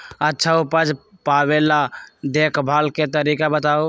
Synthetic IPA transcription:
ətːʃʰaupəd͡ʒ | pabelad̪ekʰbʱalket̪əɾikabət̪au

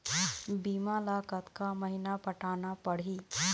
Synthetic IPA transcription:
bimalakət̪kaməɦinapəʈaːnapəɽ̤iː

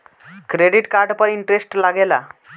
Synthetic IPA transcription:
kɾeɖiʈkaɾɖpəɾiɳʈɾesʈlaɡela̰

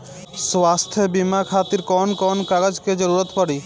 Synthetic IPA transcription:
swast̪ʰjebimakʰat̪iɾkɔnkɔnkaɡəd͡ʒked͡ʒəɾuɾət̪pɔɽi

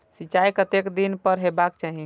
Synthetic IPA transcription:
sit͡ʃajkət̪ekd̪inpəɾɦebakt͡ʃaɦi

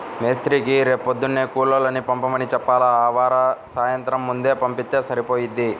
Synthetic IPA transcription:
meːst̪ɾiːkiɾeːpod̪ːunːeːkuːlːɐlɐnipɐmpɐmɐnit͡ʃɛpːaːlaaːʋaːɾɐsaːjɐnt̪ɾɐmːund̪e̞ːpɐmpit̪ːe̞ːsɐɾipo̞ːjid̪ːi

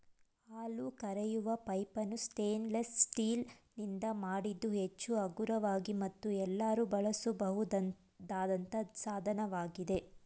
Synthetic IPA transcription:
aːlukɐɾɛjuʋɐpɐjpɐnːusʈeːnlɐsːʈiːlnind̪ɐmaːɽid̪ːuɦet͡ʃːuɐɡuɾɐʋaːɡimɐt̪ːuɛlːaːɾubɐɭɐsubɐɦud̪ɐ | d̪aːd̪ɐnt̪ɐsaːd̪ʱɐnɐʋaːɡid̪e̞

